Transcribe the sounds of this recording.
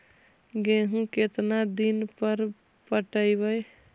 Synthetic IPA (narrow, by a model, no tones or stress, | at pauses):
ɡeɦũket̪nad̪inpəɾ | pəʈəjbəj